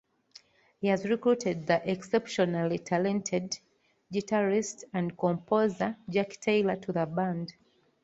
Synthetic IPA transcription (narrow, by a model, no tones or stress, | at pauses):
hihazɹikɹutʰɛd̪̚ðiʔɛksɛpʃɔnalitʰalɛ̃ntʰɛd | ɡitʰaɹistãnkɔ̃mpʰozəd͡ʒaktʰeɪlətʰuðəbãnd